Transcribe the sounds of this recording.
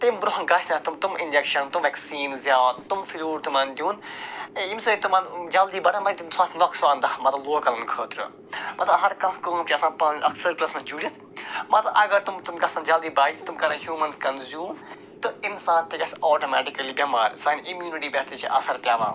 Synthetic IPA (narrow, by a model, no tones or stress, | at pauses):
t̪ɐmbɾoɦɐnɡɐsnɐsʲt̪umt̪umɪnd͡ʒekʃɐnt̪umʋɛksiːnzjaːd̪̚t̪umfilʲuːɽt̪umɐnd̪ʲjuːnẽimsɨːit̪umɐnd͡ʒɐld̪iːbɐɽʰamɐit̪insaːt̪ʰnɔksaːnd̪ɐmɐt̪ɐloːkɐlɐnkʰəːt̪ʰɾɨ̰ | mɐt̪ɐɦɐɾkɐkɐumt͡ʃiɐsãːpɐnɐksɐɾklɐsmɐt͡ʃuːd͡ʒit̪ʰ | mɐt̪ɐʔɐɡɐɾt̪umt̪umɡɐsɐ̃nd͡ʒɐld̪iːbaːit͡ʃʰt̪umkɐɾɐɦjuːmɐnt̪ʰkɐnzjuːm | t̪ɨinsãːnt̪iɡʲɐsɔːʈomɛːʈikɐlibʲɐmaːɾʲsaːnimjuːniʈiːbɛt̪it͡ʃʰiʔɐ̰sɐɾpʲjaːʋã̰ː